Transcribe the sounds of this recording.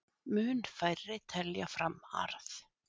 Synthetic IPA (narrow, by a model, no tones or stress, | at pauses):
mʏːnfajɾɪt̪ʰɛljafɾamːa̰ɾθ